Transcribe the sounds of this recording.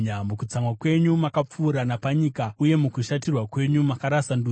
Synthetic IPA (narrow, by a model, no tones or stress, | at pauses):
amukut͡samwakwe̞ɲumakap͡fuːɾanapaɲikauje̞mukuʃatirwakwe̞ɲumakaɾasandu